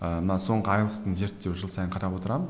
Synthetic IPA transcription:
əmənɑso̞ɴʁəɑjlˠəst̪əɴze̞ɾt̪ːe̞wʒəlˠsɑjəɴqʰɑɾɑpwo̞t̪əɾɑmən

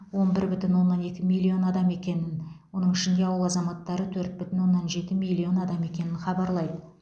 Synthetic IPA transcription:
wo̞nbɪɾbʏt̪ɪnwo̞nːɑne̞kʲɪmilʲːio̞nɑd̪ɑme̞kʲe̞nɪnwo̞nəɴɪʃɪnd̪e̞ɑwəlˠɑzɑmɑt̪ːɑɾət̪ʰɵɾt̪̚bʏt̪ɪnwo̞nːɑnʒe̞t̪ɪmilʲːio̞nɑd̪ɑme̞kʲe̞nɪnχɑbɑɾlˠɑjd̪ə

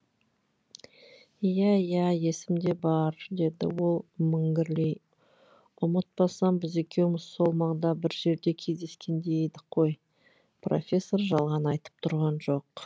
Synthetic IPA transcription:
jæjæje̞sɪmd̪e̞bɑɾd̪e̞d̪ɪ̰wo̞lˠmʏŋɡʲɪɾlej | ʊmət̪̚bɑsɑnbɪze̞kʲe̞wɪmɪzso̞lˠmɑʁd̪ɑbɪɾʒe̞ɾd̪e̞kʲʰe̞zd̪e̞skʲe̞nd̪ejed̪ɪqʰːoj | pro̞̰fʲe̞sːo̞rʒɑlˠʁɑnɑjt̪ə̥p̚t̪ʰʊɾʁɑnʒo̞q

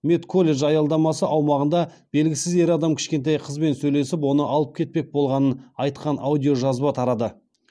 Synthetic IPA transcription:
met̪kʰo̞lʲe̞ʒɑjɑlˠd̪ɑmɑsəʔɑwmɑʁənd̪ɑ | b̥e̞lɡʲɪsɪze̞ɾɑd̪ɑmkʲʰɪ̥ʃkʲe̞nt̪ɑjqʰəzbe̞nsɵjle̞sɪpwo̞nəʔɑlˠəp̚kʲʰe̞t̪̚pe̞k̚bo̞lˠʁɑnənɑjt̪qɑnʔa̰wd̪ʲijo̞ʒɑzbɑt̪ʰɑɾɑd̪ə

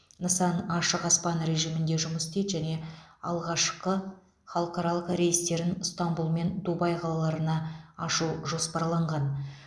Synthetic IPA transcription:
nəsɑnɑʃəqɑspɑnɾe̞ʒijmɪnd̪e̞ʒʊməsɪ̥t̪et̪ʒæne̞ɑ̰lˠʁɑʃqə | χɑlˠəqɑɾɑlˠəqɾejist̪e̞ɾɪnst̪ambulˠme̞nd̪ubɑjqʰɑlˠɑlˠɑɾənɑɑʃuʒo̞spɑɾlˠɑɴʁɑn

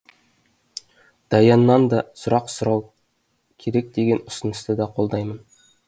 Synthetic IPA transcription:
d̪̥ɑjɑnːɑnd̪ɑsʊɾɑqsʊɾɑw | kʲʰe̞ɾek̚d̪̥e̞ɡʲenʊ̆sənə̆st̪əd̪ɑqʰo̞lˠd̪ɑjmən

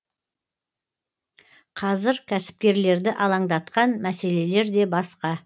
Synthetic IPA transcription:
qʰɑzɪɾkʲʰæsɪ̥p̚kʲe̞ɾle̞ɾd̪ɪʔɑlˠɑɴd̪ɑt̪qɑnmæse̞le̞le̞ɾd̪e̞bɑsqɑ

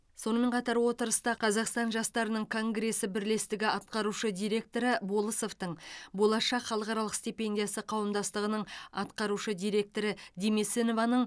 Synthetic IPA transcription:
so̞nəme̞ɴqʰɑt̪ɑɾwo̞t̪əɾəst̪ɑqʰɑzɑqst̪ɑnʒɑst̪ɑɾənəɴkʰo̞ŋɡɾe̞sɪbɪɾle̞st̪ɪɡʲɪʔɑt̪̚qɑɾuʃəd̪ijɾe̞k̚t̪o̞ɾəbo̞lˠəso̞ft̪əɴbo̞lˠɑʃɑqχɑlˠəqɑɾɑlˠəqsʲt̪ipe̞nd̪ʲijasəqʰɑwəmd̪ɑst̪əʁənəɴɑt̪qɑɾuʃəd̪ijɾe̞k̚t̪o̞ɾɪd̪ʲemeseno̞vɑnəɴ

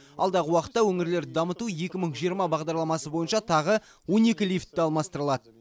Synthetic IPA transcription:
ɑlˠd̪ɑʁəwɑqə̥t̪ːɑwɵŋɪɾle̞ɾd̪ɑmət̪uje̞kʲɪməɴʒijəɾmɑbɑʁd̪ɑɾlˠɑmɑsəbojənʃɑt̪ʰɑʁə | wo̞ne̞kʲɪlijft̪ːɪɑlˠmɑst̪əɾəlˠɑd̪ə

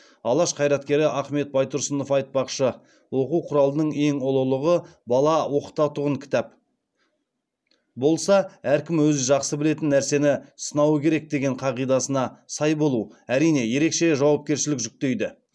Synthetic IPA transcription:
ɑlˠɑʃqʰɑjɾɑt̪kʲe̞ɾɪʔɑχme̞t̪̚bɑjt̪ʊɾsəno̞fɑjt̪̚pɑqʃə | wo̞quwqʰʊɾɑlˠənəɴe̞ŋʊlˠəlˠəʁə | bɑlˠɑwo̞qət̪ɑt̪ʊʁəŋkʲʰɪ̥t̪æp | bo̞lˠsɑæɾkʲɪmwɵzɪʒɑqsəbɪle̞t̪ɪnːæɾse̞nɪsənɑwəkʲʰe̞ɾe̞k̚d̪e̞ɡʲe̞ɴqʰɑʁijd̪ɑsənɑsɑjbo̞lˠuwæɾijne̞je̞ɾe̞kʃe̞ʒɑwɑp̚kʲe̞ɾʃɪlɪkʒʏk̚t̪e̞jd̪ɪ

